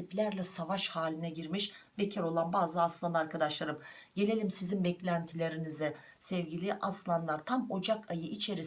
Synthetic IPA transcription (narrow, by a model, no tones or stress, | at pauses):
iplʲæɾlʲɛsavaʃhaːlʲinɛɟiɾmiʃbecʰɛɾo̞lˠanbaːzɯaslˠanaɾkʰad̪aʃlˠaɾɯm | ɟe̞lʲe̞lʲimsizimbɛclʲænt̪ʰilʲe̞ɾinizɛ | sɛvɟilʲiʔaslˠanlˠaɾt̪ʰamo̞d͡ʒakajɯʔit͡ʃʰe̞ɾi